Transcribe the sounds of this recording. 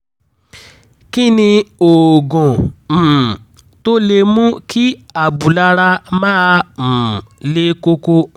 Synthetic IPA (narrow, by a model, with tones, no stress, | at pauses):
ki˦nĩ˧o˨ɡɔ̃˨m̩˨ | to˦le˧mũ˦kʰi˦a˨bu˨la˧ɾa˧mã˦˧m̩˨le˧ko˧ko˧